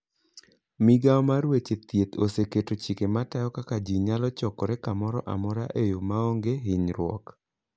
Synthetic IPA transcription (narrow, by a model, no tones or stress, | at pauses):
miɡaɔmaɾwet͡ʃet̪jet̪o̰seketot͡ʃikematajɔkakad͡ʒiɲalɔt͡ʃɔkɔɾɛkamɔɾɔʔa̰mɔɾaʔejomaoŋɡeɦiɲɾwɔ̰k